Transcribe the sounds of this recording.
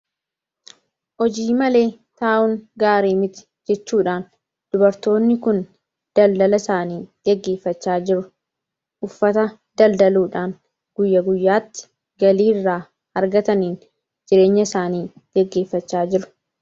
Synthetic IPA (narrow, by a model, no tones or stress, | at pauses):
hɔd͡ʒiːmɐle̞ː | t̪aːʔʊŋɡaːɾeːmɪt̪ɪ̥ | d͡ʒɛt͡ʃːuːᶑaːn | d̪̥ʊbɐɾt̪o̞ːnːɪkʊn | d̪̥ɐld̪ɐlɐsaːniːɡ̥ɛɡːe̞ːfːɐt͡ʃːaːd͡ʒɪɾʊ | ʔʊfːɐt̪ɐ | d̪̥ɐld̪ɐluːᶑaːn | ɡ̥ʊjːɐɡʊjːaːt̪ːɪ̥ | ɡɐliːrːaː | hɐɾɡɐt̪ɐniːn | d͡ʒɪɾe̞ːɲːɐɪsaːniːɡ̥ɛɡːe̞ːfːɐt͡ʃːaːd͡ʒɪɾʊ̥